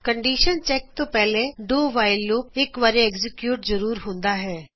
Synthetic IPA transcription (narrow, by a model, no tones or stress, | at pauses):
kəɳɖiːʃənt͡ʃɛːk̚t̪õːpɛːleɖoːʋaːɪlːoːɪkʋaːɾeɛːɡzɪkjuːʈzəɾuːɾɦʊ̃nd̪aːɦɛː